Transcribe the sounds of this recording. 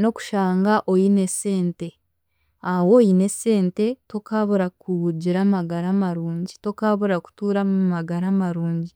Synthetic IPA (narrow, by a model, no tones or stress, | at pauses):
no̞ku̥ʃaːŋɡaʔojine̞se̞ːnte̞ | awo̞jine̞se̞ːnte̞to̞kaːβuɾakuɟiɾaːmaɡaɾamaɾuːɲɟito̞kaːβuɾaku̥tuːɾamumaɡaɾamaɾuːɲɟi